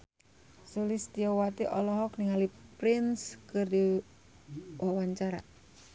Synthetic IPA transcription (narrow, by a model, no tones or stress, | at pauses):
sulist̪iɔwat̪iʔɔlɔɦɔkniŋalipɾɪnskɨrdi | wʔawaɲt͡ʃaɾa